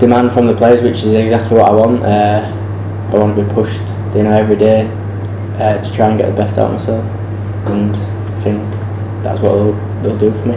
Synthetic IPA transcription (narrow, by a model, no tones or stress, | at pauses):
d̥ɪmãnd̥fɹə̃mðəpʰl̥eɪswɪt͡ʃɪzɛɡzak̚tˡliwɒtaɪwɒ̃nʔə | aɪwɒ̃ntʰəbipʰʊʃt | d̥ejnoʊɛvɹideː | ətʰətʰɹ̥aɪə̃nɡɛ̰ʔðəbɛsta̰ʊʔə̰ma̰ɪsɛlˠf | ə̃n | θɪ̃ŋk | ða̰tswɒ̰ʔðeɪlˠ | ðeɪlˠdəfəmi